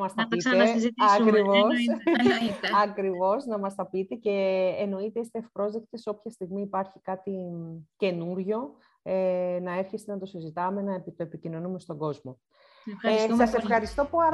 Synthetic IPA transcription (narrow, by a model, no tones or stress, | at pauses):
mɐst̪ɐpit̪eɐkɾivos | ɐkɾivo̞snɐmɐst̪ɐpit̪e̞ce̞ːno̞it̪eist̪eːfpɾo̞zðekt̪iso̞pçɐst̪iɣmiːpɐɾçi̥kɐt̪ice̞nuɾʝo̞ | enɐe̞fçest̪enɐt̪o̞sizit̪ɐme̞nɐepit̪oe̞picino̞nume̞st̪o̞ɡo̞zmo̞ | sɐse̞fxɐɾist̪o̞poɾ